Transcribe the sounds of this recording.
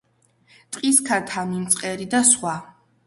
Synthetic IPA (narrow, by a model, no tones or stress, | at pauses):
t̪ʼqʼiskʰat̪ʰamint̪sʼqʼɛɾid̪asχwa